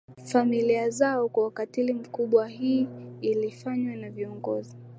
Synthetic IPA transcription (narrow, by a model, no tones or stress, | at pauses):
familiazaɔkwawakatilim̩kuɓwahiːlifaɲwɛnaviɔŋɡɔ̰zi